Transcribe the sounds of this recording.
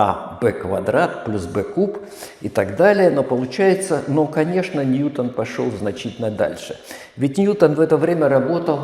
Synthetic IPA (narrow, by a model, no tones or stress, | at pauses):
a̰bɛkvɐ̰d̪ɾat̪̚plʲusbɛkup | ɪt̪aɡd̪alʲɪjəno̞pəlˠʊt͡ɕæjɪt̪sənokɐnʲe̞ʂnənʲjut̪ənpɐʂo̰lˠznɐt͡ɕitʲɪlʲnːəd̪a̰lʲʂɨ | vʲɪtʲnʲjut̪ənvɛt̪əvɾʲemʲəɾɐbo̞t̪əlˠ